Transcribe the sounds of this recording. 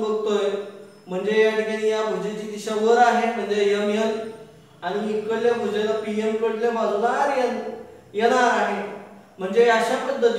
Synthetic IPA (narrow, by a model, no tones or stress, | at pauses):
bəkt̪oje | m̤əɳd͡zejəɽɡanijabʱud͡ʑid͡ʑid̪iɕaʋəɾaɦem̤əɳd͡zejəmjən | aɽ̃inikəɽjebʱəd͡ʑelapiemkəɽlemaɾunaɾjən | jeɽ̃aɾaɦe | m̤əɳd͡ʑeaɕapəd̪ːə